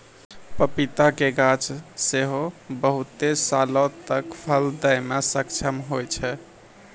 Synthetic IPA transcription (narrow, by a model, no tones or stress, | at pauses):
pəpit̪akeɡãt͡ʃseɦobəɦut̪esalɔ̃t̪əkpʰəld̪əjmesəkt͡ʃʰəmɦojt͡ʃʰɛ